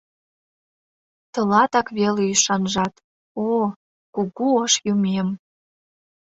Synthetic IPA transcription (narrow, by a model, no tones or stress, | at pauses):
t̪ə̆lɑt̪ɑkβeleyʃɑnʒɑt̪ | o | kuɣuəʃjumem